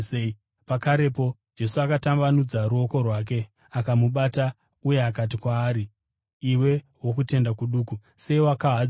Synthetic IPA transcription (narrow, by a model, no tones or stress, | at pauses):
pakaɾe̞po̞d͡ʒe̞suakatambanud͡zaɾuo̞ko̞rwaːk̬e̞ | akamuɓata | uje̞akat̬ikwaːɾi | iwe̞ | wo̞kute̞ndakuɗuːku | se̞iwakaɦa